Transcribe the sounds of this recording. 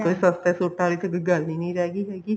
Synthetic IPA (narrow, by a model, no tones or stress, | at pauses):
koːisəst̪ɛːsoːʈaːliːt̪əɡɡəlnĩːnə̃ĩd͡ʒaːɡiːɦɛːɡiː